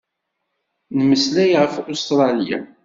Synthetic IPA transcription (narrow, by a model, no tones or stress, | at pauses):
nəməslæjʁəfust̪ɾˤɑlija̰